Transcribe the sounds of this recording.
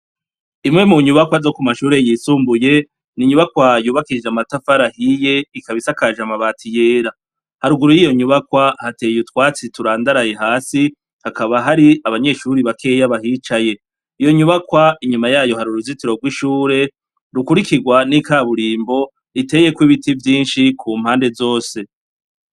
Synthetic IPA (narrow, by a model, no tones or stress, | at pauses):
imŋe̞muɲuβakwazokumaʃuːɾe̞jiːsuːmbuje̞ | niɲuβakwajuːβakiʒamatafaɾahije̞ikaβisakaʒamaβatʰije̞ːɾa | haɾuɡuɾujijo̞ɲuβakwahate̞ːjutwaːt͡situɾaːndaɾaje̞ɦaːsi | hakaβaɦaɾiaβaɲe̞ːʃuɾiβakʰe̞ːjaβahit͡ʃaje̞ | ijo̞ɲuβakwaiɲumajaːjo̞haɾuɾuzitiɾo̞ɡwiʃuːɾe̞ | ɾukuɾikiɡwanikaβuɾiːmbo̞ | ite̞ːje̞kwiβitivjiːnʃikʰuːm̥haːnde̞zo̞ːse̞